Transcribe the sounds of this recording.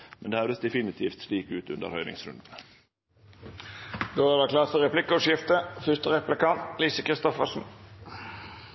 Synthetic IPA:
mɛnd̪eːhœʋd̪əsd̪ɛfɪnɪt̪ʰiːft̪sliːkʉːt̪ʉnd̪ə̰ɾhœʏnɪ̰ŋsɾʉ̰nd̪n̩ | d̪oːæɾdɑkʰlɑːt̪fɔɾʁɛplɪkəɔʃjɪft̪əfʏst̪əʁɛplɪkɑnt̪liːsəkʁɪst̪ɔfəsn̩

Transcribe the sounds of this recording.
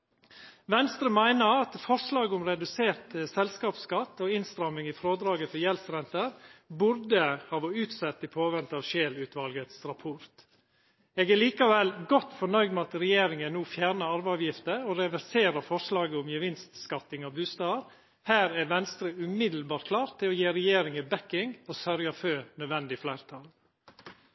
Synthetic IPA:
ʋɛnst̪ɾəmæɪnəɾɑt̪fɔʂlɑːɡəʊmɾɛd̪ʉseːɾt̪əsɛlskɑːpskɑt̪ːoːɪnst̪ɾɑmɪŋɪːfɾoːd̪ɾɑːɡəfɔɾjɛlsɾɛnt̪əɾbʊɾd̪əhɑːʋɔʉːt̪sɛt̪ːɪpʰoːʋɛnt̪ɑʋʃeːlʉːt̪ʰʋɑlɡət̪sɾɑpʰɔɾt̪ | eːɡæɭiːkɑʋɛlɡɔt̪ːfɔɳœʏɡd̪mɛɑt̪ɾɛjeːɾɪŋənuːfjæːɳəɑɾbæɑʋjɪft̪əɔɾɛʋæɾseːɾɑfɔʂlɑːɡəʊmjəʋɪnst̪skɑt̪ːɪŋɑʋbʉːst̪ɑːəɾ | hæːɾæɾʋɛnst̪ɾəʉmɪd̪l̩bɑːtkʰlɑːɾt̪ʰːɪlɔjeːɾɛjeːɾɪŋəbɛkːɪŋɔsœɾjɑfønœd̪ʋɛnd̪ɪflæɪɾt̪ʰɑl

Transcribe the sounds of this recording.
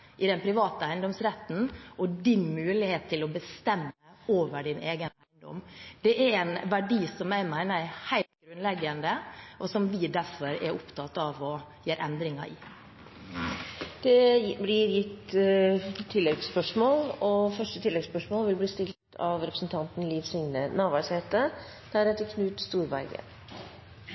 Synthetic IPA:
ʔɪd̪ɛnpʰɾɪʋɑːt̪əæɪnd̪ɔmsɾɛt̪ːn̩ʔɔd̪ɪnmʉːlɪheːt̪t̪ʰːɪlɔbəst̪ɛmːəoːʋəɖɪneːɡənæɪnd̪ɔ̰md̪̥ɛʔæɾæɪnʋæɖiːsɔmæɪmæɪnəhæɪlt̪̚ɡɾʉnlɛɡːənd̪əʔɔsɔmʋɪd̪æɾfɔɾɛ̰ɾʔʊpt̪ʰɑt̪ːɑʋɔjeːɾʔɛnd̪ɾɪŋɑ̰ʔɪ̰ | d̪̥ɛblɪɾjɪt̪ː | t̪ʰːɪlːɛɡspœʂmoːlɔfœʂʈət̪ʰɪlːɛɡspœʂmoːlʋɪlbliːst̪ɪlt̪ʰɑ̰ʋɾɛpɾəsn̩t̪ʰɑnt̪n̩lifsɪŋnənɑːʋɑseːt̪ə | d̪̥æɾɛt̪ːəkʰnʉːt̪st̪uːɾʋæ̰ɪɡə̰

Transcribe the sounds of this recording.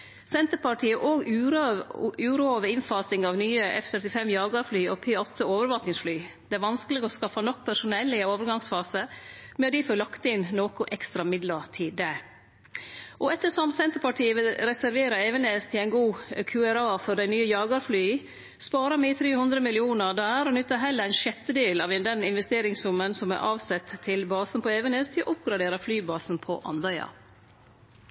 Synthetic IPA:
sɛnt̪əɾpɑʈʰiːəʔoːɡʉ | ʉːɾoːʋəɪnfɑːsɪŋɑʋnyːəɛ̰ft̪ʰœɾt̪ɪfɛmjɑːɡɑɾflyːɔ̰pʰeːɔt̪ʰːəoːʋəɾʋɑːknɪŋsflyːd̪̥ɛæɾʋɑnskəlɪɡɔskɑfːɑnɔk̚ːpʰæʂʊnɛlːɪoːʋəɾɡɑŋsfɑːsəmɛd̪ɪfɔlɑkt̪əɪnnoːkʊʔɛkst̪ɾɑmɪd̪lɑt̪ʰɪːd̪æ | ʔɔɛt̪ːəʂɔmt̪sɛnt̪əɾpɑʈʰiːəʋɪlɾɛsæɾʋeːɾɑeːʋəneːst̪ʰɪlæɪnɡuːkʰʉːæɾɑːfɔɖ̪æɪnyːəjɑːɡɑɾflyː | spɑːɾɑmɛɪt̪ʰɾeːhʉnd̪ɾəmɪlɪuːnəɾd̪ɑæːɾɔnʉt̪ːəɦɛlːəæɪnʃɛt̪ːəd̪eːlɑːʋd̪ɛnɪnʋɛst̪eːɾɪŋsʊmənsɔmæ̰ɾʔɑːʋsɛt̪ʰːɪlbɑːsn̩pʰɔeːʋəneːst̪ʰɪlɔ̰ʔʊpɡɾɑd̪eːɾɑflyːbɑːsn̩pʰɔ̰ʔɑ̰nd̪ɑʏɑ̰

